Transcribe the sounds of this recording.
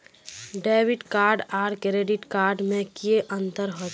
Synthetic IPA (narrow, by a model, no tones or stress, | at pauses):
ɖeːʋɪʈkaːɾɖaːɾkeɾeːɖɪʈkaːɾɖmẽkieʔə̃nt̪əɾɦo